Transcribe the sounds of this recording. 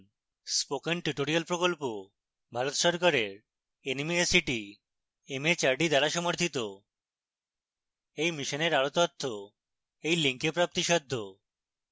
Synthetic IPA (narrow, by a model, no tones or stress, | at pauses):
spokenʈuʈoɾialpɾokolpo | bʱaɾot̪ʃɔɾkaɾeɾ | enimiesiʈi | emet͡ɕaɾɖid̪aɾaʃɔmoɾt̪ʰit̪o | ejmiʃoneɾaɾot̪ɔt̪ʰːo | ejliŋkepɾap̚t̪iʃɔd̪ʱːo